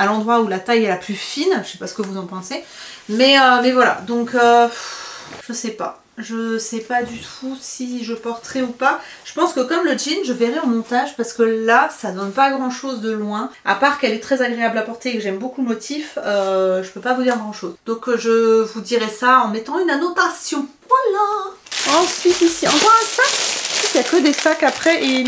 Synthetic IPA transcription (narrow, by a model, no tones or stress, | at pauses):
alɑ̃d̪ʁwaulat̪ajɛlaplyfinʒəsɛpasə̥kəvuzɑ̃pɑ̃semɛømɛvwala̰d̪ɔ̃køfʒ̥əsɛpa̰ | ʒəsɛpad̪yt̪ʰusiʒəpɔʁt̪əʁɛupa | ʒ̥ə̥pɑ̃skəkɔmləd͡ʒinʒəvɛʁɛɔ̃mɔ̃t̪aʒpaʁsə̥kəlasad̪ɔnpaɡʁɑ̃ʃozd̪əlwɛ̃a̰paʁkɛlɛt̪χɛzaɡʁeablapɔʁt̪eːkəʒɛmbokulmɔt̪ʰiføʒəpøpavud̪iʁɡʁɑ̃ʃozd̪̥ɔ̃kʒəvud̪iʁɛsaɑ̃mɛt̪ɑ̃ynanɔt̪asjɔ̃ | alaɑ̃sɥit̪isiɑ̃kɔʁɛ̃saksɥyt̪jakəd̪esakapχɛʔe